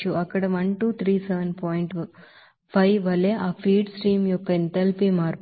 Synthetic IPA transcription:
uɐkːɐɽɐʋɐɳʈuːt̪ʰɾiːsɛʋɐnpɔːjiɳʈ | pʰɐjʋɐlːeːʔaːpʰiːɖsʈɾiːmjɔkːɐint̪ɐlpimaːɾ

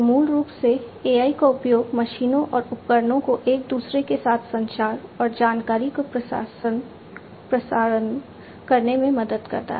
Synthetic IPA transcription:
muːlɾuːpseeːaːikaʊpjoːɡmɐʃiːnõʔɔːɾʊp̚kəɾnõkoʔeːk̚d̪uːsɾekesaːt̪ʰsɐ̃nʃaːɾɔːɾd͡ʒaːnkaːɾikopaːsən | pɾɐsaːɾən | kɐɾnemẽmɐd̪əd̪kɐ̰ɾt̪a̰ɦɛ

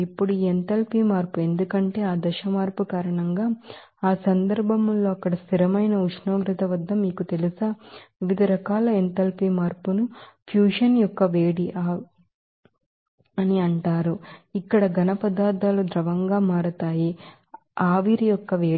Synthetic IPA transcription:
ipːuɽuient̪ɐlpimaːɾpue̞nd̪ukɐɳʈe̞ːaːd̪ɐʃɐmaːɾpukaːɾɐɳɐŋɡaː | aːsɐnd̪ɐɾbʱɐmlo̞ːɐkːɐɽɐst̪ʰiɾɐmɐjnɐuʂnoːɡɾɐt̪ɐʋɐd̪ʱːɐmiːkut̪e̞lusɐʋiʋid̪ʱɐɾɐkaːlɐent̪ɐlpimaːɾpunupʰjuːʂɐnjɔkːɐʋeːɽiʔa | ɐniɐɳʈaːɾuikːɐɽɐɡɐnɐpɐd̪aːd̪aːlud̪ɾɐʋɐŋɡaːmaːɾut̪aːji | aːʋiɾijɔkːɐʋeː

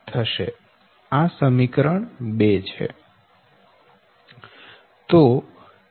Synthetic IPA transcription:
t̪ʰəʃe | asəmikɾəɳbet͡ʃʰḛ | t̪o

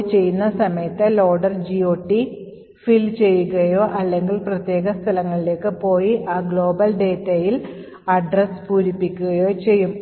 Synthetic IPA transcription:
t͡ɕe̞jːunːɐsɐmɐjɐt̪ːɨlo̞ːɖɐrd͡ʑioːʈːi | filt͡ɕe̞jːuɣɐjo̞ːʔɐlːe̞ŋɡilprɐt̪je̞ːɡɐst̪ʰɐlɐŋːɐɭile̞ːkːɨpo̞ːjiʔaːɡɭo̞ːbɐlɖe̞ːtːɐjil | ɐɖrespuːɾipːikʲːuɣɐjo̞ːt͡ɕe̞jːum

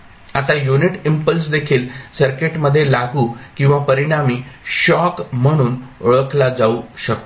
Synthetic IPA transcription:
at̪ajuniʈimpəls̬d̪ekʰiːlsəɾkeʈməd̪ʱːjelaɡuːkĩw̃ʋapəɾiɽ̃amiːɕɔkm̤əɽ̃uːnoɭəklad͡zauɕək̚t̪o

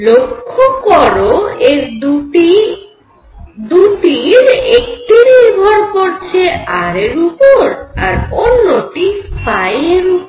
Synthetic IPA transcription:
lokʰːokɔɾoeɾdʈi | d̪uʈiɾek̚ʈiniɾbʱɔɾkoɾt͡ɕʰeʔaɾeɾupoɾaɾonːoʈispajeɾupɾ

